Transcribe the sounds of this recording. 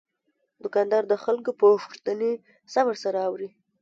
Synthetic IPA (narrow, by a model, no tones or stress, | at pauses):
d̪ʊkɑnd̪ɑɾd̪əxalkopəxt̪əne | sawəɾsaɾaːwɾi